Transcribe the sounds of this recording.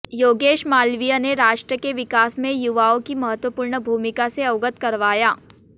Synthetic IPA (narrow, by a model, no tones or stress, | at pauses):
joːɡeːʃmaːlʋijaneɾaːʃʈɾəkeʋɪkaːsmẽjʊʋaːõkimɐɦət̪wəpuːɾɳəbʱuːmɪkaseɐʊɡət̪kɐɾʋaːjaː